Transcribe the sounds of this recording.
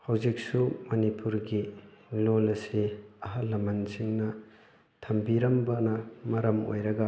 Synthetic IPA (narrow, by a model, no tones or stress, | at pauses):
hɐwzik̚sumɐnipuɾɡilolɐsiɐɦɐlːɐmɐnsiŋnɐ | tʰɐmbiɾɐmbɐnɐmɐɾɐmo̰jɾɐɡɐ